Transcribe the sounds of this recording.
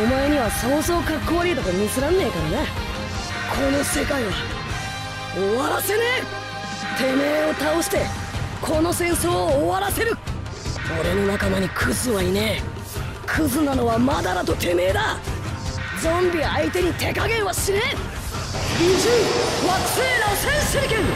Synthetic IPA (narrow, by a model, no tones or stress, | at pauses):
o̞mae̞ɲ̟iβaso̞ːzo̞ːkakːo̞ːɾʲiːt̪at̪omʲisɨɾãnːe̞ːkaɾane̞ | kʰo̞no̞se̞kaiβa | oβaɾase̞ne | t̪e̞me̞ːo̞t̪aoɕi̥t̪e̞ | kʰo̞no̞sẽ̞ɰ̃so̞ːβaɾase̞ɾɯ̟ | o̞ɾe̞no̞nakamaɲ̟ikʰɯ̟zɨβaine | kʰɯzɨnano̞βamad̪aɾat̪o̞t̪e̞me̞ːd̪a | d͡zõ̞mbʲiait̪e̞ɲ̟it̪e̞kaɡẽ̞ɰ̃βaɕine | iʑiβat͡seɾasẽɰ̃seɾkẽn